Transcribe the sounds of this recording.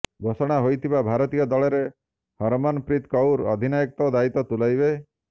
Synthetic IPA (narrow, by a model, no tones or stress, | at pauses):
ɡʱosɔɽ̃aɦojt̪ʰibabʱaɾɔt̪ijɔd̪ɔɭɔɾe | hɔɾmɔnpɾit̪kɔwɾɔ̰d̪ʱinajɔk̚t̪ɔd̪ait̪ɔt̪ulajbe